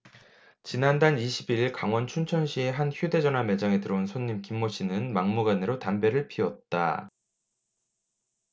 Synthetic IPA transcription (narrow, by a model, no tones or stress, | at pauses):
t͡ɕinandaniɕʰibiɾiɭkaŋwʌnt͡ɕʰunt͡ɕʰʌnɕʰie̞ɦançjude̞d͡ʑʌnɦame̞d͡ʑaŋe̞tɯɾʌunsʰoɲːimkimːoɕʰinɯnmaŋmuɡanɯɾotambe̞ɾɯɭpʰiʌt̚t͈a̰